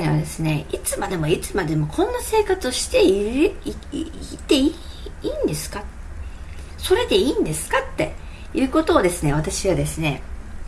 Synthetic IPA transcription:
neβa̰d̪e̞sɨne̞it͡sɨmad̪e̞mo̞it͡sɨmad̪e̞mo̞kʰõ̞nːase̞ːkat͡sɨo̞ɕi̥t̪e̞i | t̪ːe̞i | iːnd̪e̞sɨ̥ka | so̞ɾe̞d̪e̞iːnd̪e̞sɨ̥kat̪ːe̞̰ | jɯ̟ːko̞t̪o̞ːd̪e̞sɨne̞βat̪aɕiβad̪e̞sɨne̞

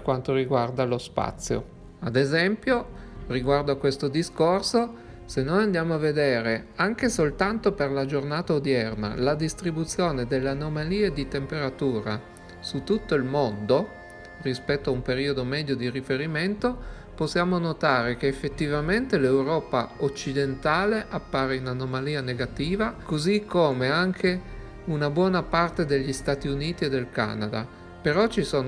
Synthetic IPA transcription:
perkwant̪oɾiɡward̪alospa̰t̪sːjo̰ | ad̪ezɛmpjoriɡward̪oakːwest̪od̪iskorso | senːonand̪jaːmoavːed̪eːɾeaŋk̟esolt̪ant̪operlad͡ʒornaːt̪aod̪jɛrna̰lad̪ist̪ɾibut̪sːjoːned̪elːeanomaliːed̪it̪empeɾat̪uːɾa̰ | sut̪ːut̪ːoilmond̪o | rispɛt̪ːoaumpeɾiːod̪omɛːd̪jod̪iɾifeɾiment̪o | posːjaːmonot̪aːɾekeːfːet̪ːivament̪elewɾɔːpaot͡ʃːid̪ent̪aːleʔapːaːɾeiunanomaliːaneɡat̪iːvakozikʰːoːmeaŋkʰe | unabwɔːnapart̪ed̪eʎːist̪aːt̪iuniːt̪ied̪ːelka̰nad̪a̰ | peɾɔt͡ʃisoːn

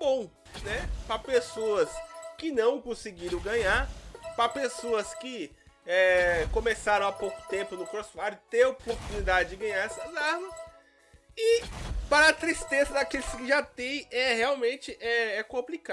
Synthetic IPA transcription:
bõw̃ | nɛpɾɐpesoɐskɪnɐ̃w̃kõsɪɡiɾɐ̃wɡɐ̃ɲaɾpɾɐpesoɐskɪɛkõmesaɾɐ̃w̃apowkʊ̥t̪ẽmpʊnʊkɾosfaɾʊt̪eɾopoɾt̪unid̪ad͡ʒɪd͡ʒɪɡɐ̃ɲaɾɛsɐzaɾmɐs | ɪpaɾɐːt̪ɾist̪ezɐd̪ɐkelɪskɪʒat̪ẽj̃ɛheawmẽnt͡ʃɪʔɛɛkõmplika

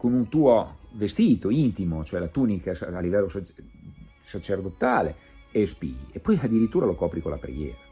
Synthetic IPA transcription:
konunt̪uːovest̪iːt̪oint̪imot͡ʃoɛlat̪uːnikasːlːivɛlːosa | sat͡ʃerd̪ot̪aːlḛ | espḭːɡiepːɔjad̪ːiɾit̪ːuːɾalokɔːpɾikolʔa̰pɾḛɡjḛːɾa

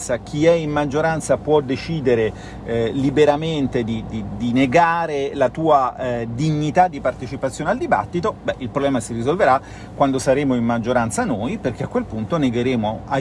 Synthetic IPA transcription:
sak̟ʰiɛimmad͡ʒːoɾant̪sapwɔd̪et͡ʃiːd̪eɾe | libeɾament̪ed̪id̪id̪ineɡaːɾelat̪uːad̪iɲːit̪ad̪ːipart̪et͡ʃipat̪sːjoːneald̪iba̰t̪ːit̪obɛʔilpɾoblɛːmasirizolveɾa | kwand̪osaɾeːmoimmad͡ʒːoɾant̪sanoːjperk̟eakːwelpunt̪oneɡeɾeːmoa

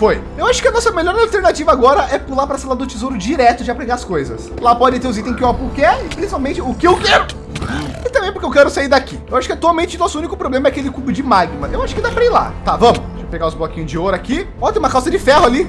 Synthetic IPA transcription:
foj | ewaʃʊ̥kɪɐnɔsɐmeʎɔɾalt̪eɾnat͡ʃivɐaɡɔɾɐʔɛpulapɾɐsɛlɐd̪ʊt͡ʃizowɾʊd͡ʒiɾɛt̪ʊd͡ʒɪapɾeɡaɐskojzɐ̰slapɔd͡ʒɪ̃t̪eɾʊzit̪ẽskɪapʊɾkɪɛɪpɾĩsipawmẽnt͡ʃɪʊkɪewkɛɾʊ | ɪt̪ɐ̃mbẽj̃pʊɾkewkɛɾʊsaiɾd̪akiewaʃʊ̥kɪɛt̪uawmẽnt͡ʃɪnɔsʊunikʊpɾoblẽmɐɛakelɪkubʊd͡ʒɪmaɡimɐʔewaʃʊ̥kɪd̪apɾɐiɾla̰t̪avɐ̃mʊʒapeɡaʊzbɔkĩɲʊzd͡ʒɪoɾʊaki | ɔ̃t̪ẽũmɐkawsɐd͡ʒɪfɛhʊali

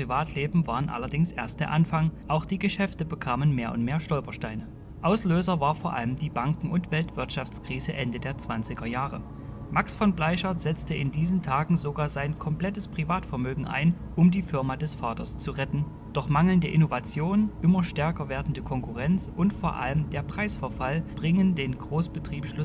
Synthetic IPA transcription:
pʁ̥ivaːtʰleːbm̩vaːʁənʔa̰lɐdɪŋsʔḛːɐst̚d̥eːɐʔanfaŋʔaʊxd̥iːɡəʃɛftəbəkʰaːmənmeːɐʔʊ̰ntmeːɐʃtɔlpɐʃtaɪnə | ʔaʊsløːzɐvaːɐfoːɐʔa̰ləmdiːbaŋkŋ̩ʊntv̥ɛltv̥ɪɐtʃaft͡skʁ̥iːzəʔɛndədeːɐt͡sv̥ant͡sɪɡɐjaːʁə | maksfɔnblaɪʃɐz̥ɛt͡stəɪndiːzn̩tʰaːɡŋ̩zoɡaːɐzaɪnkʰɔmpl̥ɛtəspʁ̥ivaːtfɛɐmøːɡŋ̩ʔa̰ɪn | ʔʊmdiːfɪɐmadɛsfaːtɐst͡suʁɛtn̩ | d̥ɔχmaŋl̩ndəʔɪnovat͡sjoːnʔɪmɐʃtɛɐkɐveːɐdn̩dəkʰɔŋkuʁɛnt͡sʔʊntfoːɐʔa̰ləmdeːɐpʁ̥aɪsfɛɐfalb̥ʁɪŋəndeːnɡʁoːsb̥ətʁ̥iːpʃlʊ

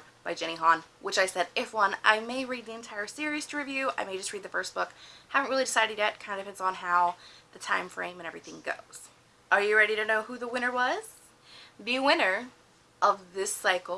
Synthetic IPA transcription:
b̥aɪd͡ʒɛɾ̃iɦɑ̃nwɨt͡ʃaɪsɛɾɪfwʌ̃na̰ɪmeɪɹid̪̚ðiɨ̃ntʰaɪə˞sɪɹiz̥tʰəɹivjʉa̰ɪmeɪd͡ʒʌst̚ɹid̪̚ðɨfɜ˞s̚b̥ʊkhævɨ̃nʔɹɪlˠidɨsaɪɾɨd̚jɨt̚kʰãɪ̃ndɨpʰɛ̃ndzn̩ɦaʊðɨtʰãɪ̃ɱfɹḛ̃ɪ̃mɨ̃ñɛvɹiθɪ̃ŋɡo̰ʊz̥ | ʔə˞jɨɹɛɾiɾɨnoʊhuðəwɪ̃ɾ̃nə˞wʌz̥ | biwɪ̃nə˞ | ʔʌvðɪsaɪkl̩ˠ

